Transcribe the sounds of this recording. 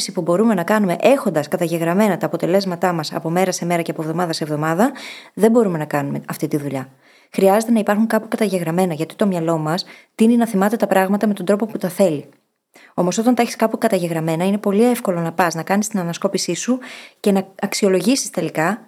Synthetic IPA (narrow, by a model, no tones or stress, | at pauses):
sipubo̞ɾume̞nɐkɐnume̞̰ʔe̞xo̞nd̪ɐskɐt̪ɐʝe̞ɣɾɐme̞nɐt̪ɐːpo̞t̪e̞le̞zmɐt̪ɐmɐsɐ̰po̞me̞ɾɐse̞me̞ɾɐceɐpovðo̞mɐðɐsevðo̞mɐðɐðembo̞ɾume̞nɐkɐnume̞ɐft̪it̪iðuʎɐ | xɾiɐze̞t̪e̞nɐipɐɾxuŋkɐpukɐt̪ɐʝe̞ɣɾɐme̞nɐʝɐt̪i̥t̪o̞mɲɐlo̞mɐst̪ininɐθimɐt̪e̞t̪ɐpɾɐɣmɐt̪ɐme̞t̪od̪ɾo̞po̞put̪ɐθe̞li | o̞mo̞so̞t̪ɐnt̪ɐeçi̥skɐpukɐt̪ɐʝe̞ɣɾɐme̞nɐine̞po̞lie̞fko̞lo̞nɐpɐznɐkɐnist̪inɐnɐsko̞pisisuce̞nɐɐksio̞lo̞ʝisist̪e̞likɐ